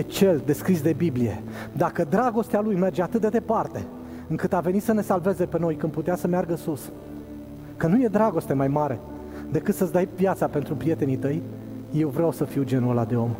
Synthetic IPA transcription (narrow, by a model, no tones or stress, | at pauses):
jet͡ʃe̞ld̪e̞skɾis̬d̪e̞biblije̞̰d̪akəd̪ɾaɡo̞st̪ealujme̞rd͡ʒeat̪ɨt̪̚d̪ed̪epart̪e̞̰ | ɨŋkɨt̪ave̞nit̪səne̞salve̞ze̞pe̞no̞jkɨnd̪put̪easəmearɡəsus | kənuje̞d̪ɾaɡo̞st̪e̞majmaɾe̞̰ | d̪e̞kɨt̪sət̪sd̪ajpjat̪sape̞nt̪ɾupɾije̞t̪e̞nit̪əjː | e̞wvɾeawsəfiwd͡ʒe̞nuolad̪e̞o̞m